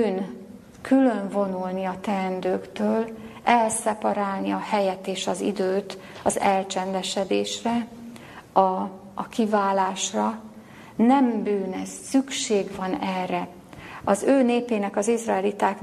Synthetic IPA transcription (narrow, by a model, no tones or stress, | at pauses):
n | kʰylø̞ɱvo̞nulniɒt̪ɛːnd̪øːkt̪øːlɛlsɛpɒɾaːlniɒhɛjɛt̪ːeːʃɒzḭd̪øːt̪ɒzɛlt͡ʃɛnd̪ɛʃɛd̪eːʃrɛ | ɒː | kivaːlaːʃrɒ | nɛmbyːnɛsːykʃeːɡʋɒnɛrːɛ | ɒzøːneːpeːnɛkɒzizraɛlit̪aːkn